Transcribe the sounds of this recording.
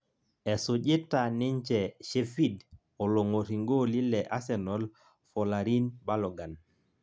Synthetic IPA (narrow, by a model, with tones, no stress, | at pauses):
e˨su˨ʄi˦ta˨ni˦ɲt͡ʃɛ˨ʃe˨fi˦d | o˨lo˨ŋo˨ɾi˨ŋɡo˦li˦lɛ˨ʔa˦sɛ˨nɔ˨l | fɔ˨la˨ɾi˦nba˦lɔ˨ɡa˨n